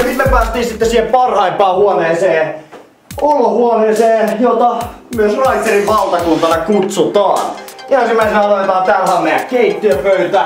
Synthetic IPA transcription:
sit̪mepæːst̪ːˑiːnsit̪ːesiːhempɑrhɑimpɑːhuoneːseː | olohuoneːseːnjot̪ɑ | myøsrɑiteriʋʋɑlt̪ɑkunt̪ɑnɑkut̪sut̪ɑ̰ːnænsimːæisenɑloit̪ɑːt̪ælhɑːmmeæ̰keit̪ːiøpøyt̪æ

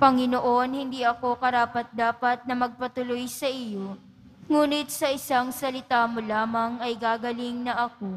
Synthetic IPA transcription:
pɐŋɪnoʔo̞nhɪnd̪iːʔɐko̞kɐɾaːpɐt̪̚d̪aːpɐt̪̚nɐmɐɡ̚pɐt̪ʊlojsɐʔɪjo̞ | ŋuːnɪt̪̚sɐʔɪsaŋsɐlɪt̪aːmolaːmɐŋɐjɡaːɡɐlɪŋnɐʔɐko̞

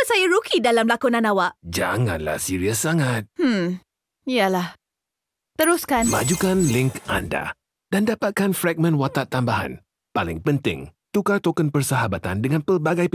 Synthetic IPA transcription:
əsajaɾukidalamlakunãnawaʔd͡ʒa̰ŋã̰nla̰hsiɾiasaŋat̪̚hm̩ | ijəlah | t̪əɾʊskanmad͡ʒukanlɪŋka̰nda̰ | dandapat̪̚kanfɾɛk̚mə̃nwat̪at̪ːambaɦa̰n | palɪ̰ŋpənt̪ɪ̰ŋ | t̪ukat̪okənpərsəɦabat̪andəŋãnpərbaɡaj

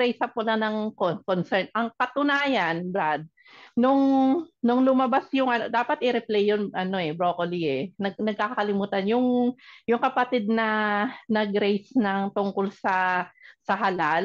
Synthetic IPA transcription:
ɛjsɐpolɐnɐŋkokonsɛɹnʔɐŋkɐt̪ʊnaːjanbɾad̪̚ | nʊŋnʊŋlʊmɐbasjʊŋʔɐnod̪aːpɐt̪̚ʔɪɾɛplɛjːonʔɐno̞ɛbɾoːkoliɛnɐɡnɐɡ̚kaːkɐlɪmuːt̪ɐnjʊŋjʊŋkɐpɐt̪ɪd̪̚nɐnɐɡɾɛjsnɐŋt̪ʊŋkolsɐsɐɦɐlal

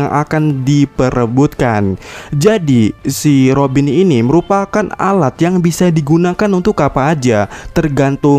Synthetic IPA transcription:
ŋʔa̰kandipəɾəbut̪̚kand͡ʒadisiɾobininiməɾupakana̰lat̪jaŋbisadiɡunakanunt̪ʊkːapaːd͡ʒat̪ərɡant̪ʊ

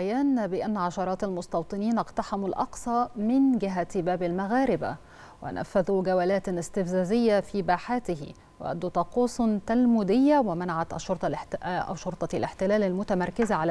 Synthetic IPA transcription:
jæːnbɪʔanːʕɑʃɑɾˤɑːt̪almʊst̪ɑwt̪ˤɨniːnʔɑqt̪aħamulʔɑqsˤɑːmɪnɡɪɦat̪bæːbalmaɣaːɾɪba̰ | wɪ̰næ̰fːæðuɡæwælæːt̪ɪst̪ɪfzæːzɪjːafiːbaːħaːt̪ɪɦɪ̰ | wɪ̰ʔæ̰d̪ːuːt̪ˤɑquːsˤt̪almuːd̪ɪjːawɪmanaʕat̪ʔʃːoɾt̪ˤɑʔæ̰wʃoɾˤt̪ˤɑlɪħt̪ɪlæːlalmʊt̪æmɑɾˤkɪzaʕal

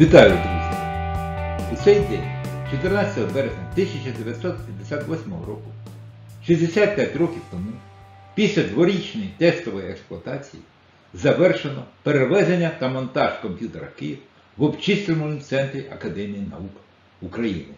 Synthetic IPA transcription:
ʋʲit̪ɑjʊd̪ɾuzʲjɐ | ut̪sɛjd̪ɛnʲt͡ʃɔt̪ernɑt͡sʲɐt̪ɔɦɔbɛɾezʲnʲɐt̪ɪsʲɐt͡ʃɐd̪eʋʲjɐt̪sɔt̪pʲɐmd̪esʲat̪ʋɔsʲmɔ̰ɦɔ̰ɾɔkʊ | ʃizʲd̪esʲat̪̚pʲjatʲrɔkʲiwt̪ɔmupʲisʲlʲɐd̪ʋɔɾʲit͡ʃnɔjit̪ɛst̪ɔʋɔjɛksplˠɔɐt̪ɑt͡sʲḭji | zɐʋɛrʃenɔpeɾeʋɛzenʲːɐt̪ɐmɔnt̪ɑʒkɔmʲpʲjut̪eɾɐ̰kɪjɪwɐ | ʋɔbt͡ʃist̪ɾʲemɔnimt̪sɛnt̪ɾʲiɐkɐd̪ɛmʲijinɐ̰uk | ukɾɐjḭnɪ

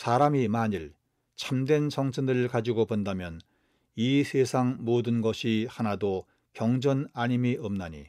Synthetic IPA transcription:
sʰaɾamimaɲiɭ | t͡ɕʰamdwe̞nsʰʌŋsʰɯnɯɭkad͡ʑiɡopʌndamjʌn | isʰesʰaŋmodɯnɡʌɕʰihanado | kjʌŋd͡ʑʌnaɲimiʔʌmnaɲḭ

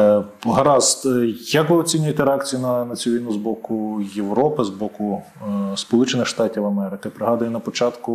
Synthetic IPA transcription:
ɦɐɾɑzjɐkʋɪɔt͡sʲinʲʊjet̪ɛɾɛɑkt͡sʲijunɐnɐt͡sʲuʋʲijnuzbɔkʊjeʋɾɔpɪzbɔkʊ | spɔlˠut͡ʃenɪxʃt̪ɑtʲiwɐmɛɾɪkɪpɾɪɦɑd̪ɐjɛnɐpɔt͡ʃɑt̪kʊ

